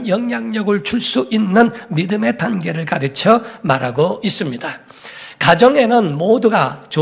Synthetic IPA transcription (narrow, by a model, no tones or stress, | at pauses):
jʌŋɲaŋɲʌɡɯɭt͡ɕuɭs͈uʔinːɯnmidɯme̞tanɡe̞ɾɯɭkaɾɯt͡ɕʰʌmaɾaɡois͈ɯmɲida | kad͡ʑʌŋe̞nɯnmoduɡat͡ɕo